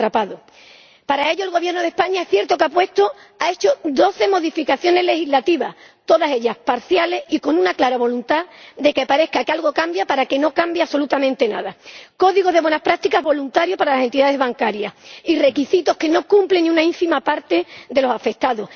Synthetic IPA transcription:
ɾapaðo | paɾae̞ʎo̞e̞lɣoβjeɾno̞ð̞e̞hpaɲae̞hθje̞ɾt̪o̞kapwe̞st̪o̞ | ae̞t͡ʃod̪o̞θe̞mo̞ðifikaθjo̞ne̞ɦle̞hizlat̪iβah | t̪o̞ðase̞ʎahpaɾθjale̞siko̞nũnaklaɾaβ̞o̞lunt̪ad̪e̞kepaɾe̞hkakealɣ̞o̞kambjapaɾake̞no̞kambjeaso̞lut̪amẽnt̪e̞naðako̞ðiɣo̞ɦðwe̞napɾak̚t̪ikaɦβo̞lunt̪aɾjopaɾalase̞nt̪iðað̞e̞zβaŋkaɾjahire̞kisit̪o̞hke̞no̞kumpleniũnaiɱfimapaɾt̪e̞ðe̞lo̞safek̚t̪aðo̞h

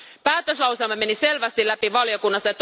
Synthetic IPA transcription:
pæːt̪øslɑwselmɑmenise̞lʋæst̪ilæpiʋɑljokunːɑsːɑjɑt̪

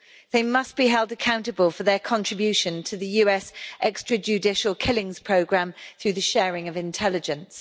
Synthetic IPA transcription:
ðeɪmʌsb̥iɦɛlˠdəkʰãʊ̃ntəbəlˠfəðəkʰɒ̃ntʰɹ̥ɪbjʉˑʃə̃ntʰəðəjʉːɛsʔɛkstɹ̥əd͡ʒʉdɪʃəlˠkʰɪlɪ̃ŋz̥pʰɹ̥əʊɡɹãmθɹʉːðəʃɛːɹɪ̃ŋəvɪ̃ntʰɛlɪd͡ʒə̃ns

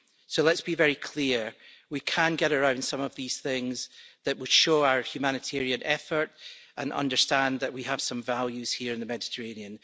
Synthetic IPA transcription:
solˠətsb̥ivɛɹikʰl̥iɹwikʰə̃nɡɛɾə˞ãʊ̃nd̥sʌ̃məvðiz̥θɪ̃ŋz̥ðəʔwəd̥ʃoaʊə˞hjʉmañɪtʰeɹiɨ̃nʔɛfə˞ʔʔə̃nʌ̰̃ndə˞stãnðəʔwiəv̥sʌ̃ɱvalˠjʉz̥hiɹɨ̃nðəmɛdɪtə˞ẽniə̃n

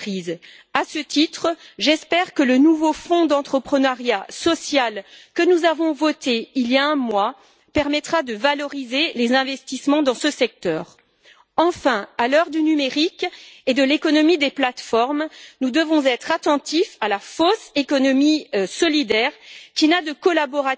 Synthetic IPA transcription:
iz | asət̪it̪χəʒɛspɛʁkələnuvofɔ̃d̪ɑ̃t̪χəpχənaʁjasɔsjalkənuzavɔ̃vɔt̪eiljaɛ̃mwa | pɛʁmɛt̪χad̪əvalɔʁizelezɛ̃vɛst̪ismɑ̃d̪ɑ̃səsɛk̚t̪œːʁ | ɑ̃fɛ̃alœʁd̪ynymeʁiked̪əlekɔnɔmid̪eplat̪fɔʁmnud̪əvɔ̃zɛt̪χat̪ɑ̃t̪ifalafosekɔnɔmisɔlid̪ɛʁkʲinad̪əkɔlabɔʁa

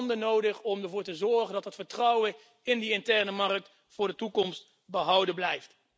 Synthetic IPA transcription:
ndənowdəχɔmdəɹvʊːɹtəzɔɹχəndɑtɦətfəɹtrʌwə | ɪndiɪntɛɹnəmɑrək̚t | fʊːɹdətukɔmst | bəɦʌwdəblɛjft

